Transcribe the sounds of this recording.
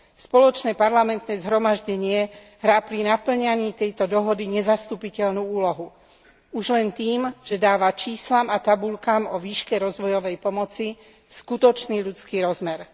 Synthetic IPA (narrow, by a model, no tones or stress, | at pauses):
spɔlɔt͡ʃnɛːpaɾlamɛnt̪nɛːzɦɾɔmaʒɟɛɲɪɛ | ɦɾaːpɾinapl̩ɲaɲiːt̪ɛjt̪ɔd̪ɔɦɔd̪iɲɛzast̪uːpicɛʎnuːuːlɔɦu | uʒlɛnt̪iːmʒ̥ɛd̪aːʋat͡ʃiːslamat̪abulkaːmɔʋiːʃkɛɾɔzʋɔjɔʋɛjpɔmɔt͡si | skut̪ɔt͡ʃniːʎut͡skiːɾɔzmɛɾ